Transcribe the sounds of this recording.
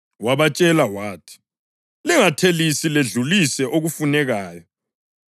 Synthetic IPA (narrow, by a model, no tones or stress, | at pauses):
waβat͡ʃʼɛlawaːtʰi̥ | lɛŋatʰelisileɮulisɛʔoɣufunɛɣaːjɔ